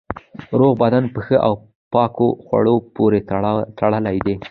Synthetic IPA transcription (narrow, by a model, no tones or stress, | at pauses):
ɾoɣbad̪anpəxəʔaw | pɑkoxwa̰ɽopoɾet̪ʰaɽəlajd̪e